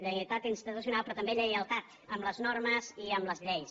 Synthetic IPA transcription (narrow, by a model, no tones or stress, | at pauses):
ʎəjət̪at̪inst̪it̪us̬junalˠpɾɔt̪əmbeʎəjəlˠt̪at̪ | əmləznorməziəmləzʎɛjs